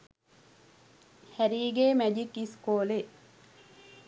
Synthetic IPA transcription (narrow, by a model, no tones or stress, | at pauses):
hæɾiːɡeːmæd͡ʒikiskoːle